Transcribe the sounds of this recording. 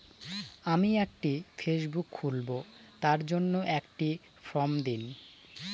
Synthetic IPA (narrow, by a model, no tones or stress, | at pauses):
amiɛk̚ʈifʰeʃbukːʰulbot̪aɾd͡ʑonːoʔɛkʈi | fɾɔmd̪in